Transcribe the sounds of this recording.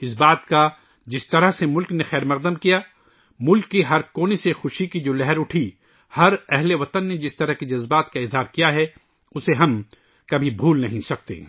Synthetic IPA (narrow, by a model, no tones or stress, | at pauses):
ɪsbaːt̪ka | d͡ʒɪst̪ɐɾəɦsemʊlknexɛːɾmɐʁd̪əmkija | mʊlkːiɦɐɾkoːnesexʊʃikid͡ʒoːlɛɦɛɾʊʈʰi | hɐɾɛɦleʋɐt̪ənːed͡ʒɪst̪ɐɾəɦkid͡ʒɐzbaːt̪kaɪzɦaːɾkijaɦɛ | ʊseɦɐm | kɐbʱibʱuːlnɐɦĩsɐk̚t̪ḛː